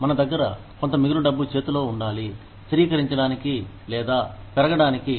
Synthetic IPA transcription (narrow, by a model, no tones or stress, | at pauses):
mɐnɐd̪ɐɡːɐɾɐ | ko̞nt̪ɐmiɡiluɖɐbːut͡ʃe̞ːt̪ulo̞ːuɳɖaːli | sɐɾiːkɐɾiɲt͡ʃɐɽaːniki | lɛːd̪aːpɛɾɐɡɐɽaːniki